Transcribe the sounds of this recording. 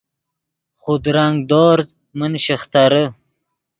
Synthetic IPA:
χʊd̪ɾaŋɡd̪oːɾz | mənɕiχt̪aɾə

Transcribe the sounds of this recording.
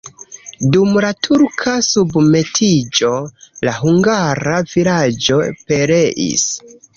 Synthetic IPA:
dumlatʰuɾkʰasubme̞tʰid͡ʒo̞laɦuŋɡaɾavilad͡ʒo̞pe̞ɾe̞ʔḭs

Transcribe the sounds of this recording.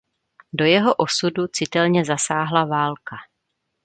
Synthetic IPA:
do̞jɛɦo̞ʔo̞sudut͡sɪt̪ɛlɲɛzasaːɦlavaːlka

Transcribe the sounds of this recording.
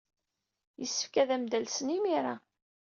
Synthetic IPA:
jəsːə̥fkæðæmd̪ælsənimiɾˤa

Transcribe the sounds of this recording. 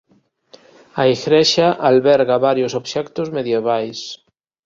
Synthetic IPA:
aiɣɾɛʃaʔalβɛɾɣaβaɾjosoβʃɛkt̪ozmeðjeβ̞ajs

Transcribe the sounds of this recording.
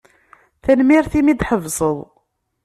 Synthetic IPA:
θænmiɾθimid̪ħəvsˤəðˤ

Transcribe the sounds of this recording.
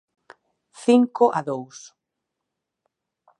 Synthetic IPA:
θiŋkoʔaðows

